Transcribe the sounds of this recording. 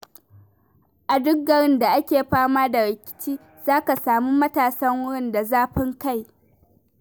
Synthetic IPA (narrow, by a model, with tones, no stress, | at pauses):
ʔa˨dʊ˦ɡɐ˨ɽɪ˦nda˨ʔa˦kʲeː˨ɸaː˦maː˦da˨ɾɪ˨kʲɪ̥˨˦t͡ʃiː˦ | z̥aː˦ka˨saː˨miː˦mɐ˦taː˨sɐ˦ŋwʊ˦ɽɪ˦nda˨zaː˦ɸɪ˦ŋka˦˨j